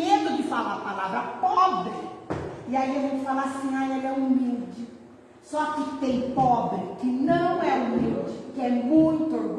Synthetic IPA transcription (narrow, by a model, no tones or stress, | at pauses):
ed̪ʊd̪ɪfalapalavɾɐpɔbɾɪiaiaʒẽjtt͡ʃ̪ɪfalaɾsĩajɛlɛumiwd͡ʒɪ | sɔkɪt̪ẽj̃pɔbɾɪkɪnɐ̃w̃ɛumiwd͡ʒɪkɪɛmũj̃t̪ʊ